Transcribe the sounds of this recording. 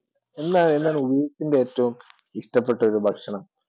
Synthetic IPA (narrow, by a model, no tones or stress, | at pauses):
e̞nːaːle̞nːaːɭubɐesindeeːtːɐʋum | iʂʈɐpːe̞ʈːɐo̞ɾubʱɐkʂɐɳɐm